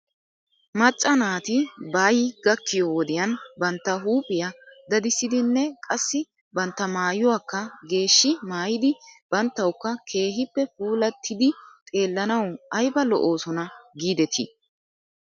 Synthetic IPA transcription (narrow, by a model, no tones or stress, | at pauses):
mɐt͡ʃʼːɐnaːt̪ɪbaːjɪɡɐkːɪjɔwɔd̪ɪjɐnbɐnt̪ːɐɦuːpʼɪjɐd̪ɐd̪ɪsːɪd̪ɪnːɛkʼɐsːɪ | bɐnt̪ːɐmaːjʊwaːkːɐɡe̞ːʃːɪmaːjɪd̪ɪb̥ɐnt̪ːɐwkːɐkʰe̞ːɦɪpːɛfuːlɐt̪ʰːɪd̪ɪt̪ʼe̞ːlːɐnɐwɐjbɐlɔ̰ʔo̞ːsɔnɐɡiːd̪ɛt̪ʰɪ̰